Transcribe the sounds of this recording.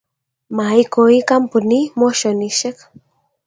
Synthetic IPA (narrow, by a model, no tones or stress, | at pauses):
majkoikampʊnimoʃoniʃek